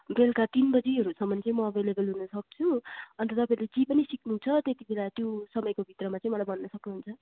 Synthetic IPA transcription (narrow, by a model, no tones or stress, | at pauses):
belkat̪inbʌd͡ziɦʌɾusʌmːʌnt͡sʌĩmʌbʱelebʌlɦunʌsʌk̚t͡sʰuʌnt̪ʌt̪ʌpãɾled͡zipʌnisiknut͡sʰʌt̪et̪ibʱelat̪josʌmʌjkobʱit̪rʌmat͡sãĩmʌlajbʱʌnːʌsʌknuɦunt͡sʰʌ